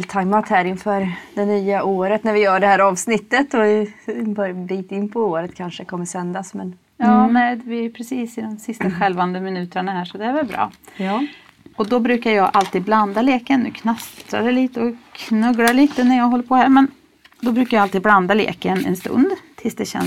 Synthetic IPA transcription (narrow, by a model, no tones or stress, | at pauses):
lt̪ʰaɪmat̪hæɾɪnfœːɾd̪ɛnyːaʔoːɾət̪næɾvɪjœːɖɛhæːɾɑːvsnɪt̪ːət̪ɔɪbœɾjb̪iːt̪ɪnːpʰɔoːɾət̪kʰanʂəkʰɔmːəsɛnd̪asmɛn | jɑːnɛɪvɪæjɵpʰɾɛsiːsɪd̪ɛmsɪst̪aɧɛlvand̪əmɪnʉ̟ːt̪əɳahæːʂɔd̪ɛæɾvɛlbɾɑ̰ː | ɔd̪ɔbɾʉ̟ːkaɾjɑːɡʔalt̪ʰiːd̪̚bland̪aleːkənːʉ̰ːkʰnast̪ɾa̰d̪ɛliːt̪əɔkʰnɵɡlaɭiːt̪ənæɾjɑːɡɦɔlːəɾpʰɔhæːɾmɛn | d̪ɔbɾʉːkaɾjaalt̪iːd̪bland̪alḛːkənɛ̰nst̪ɵ̰nd̪t̪ʰɪlsd̪ɛɕɛ̰n